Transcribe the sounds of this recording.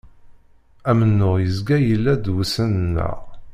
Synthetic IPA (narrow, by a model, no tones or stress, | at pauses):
æmənːʊʁjəzɡæjəlːæd̪wusənənːə̰ʁ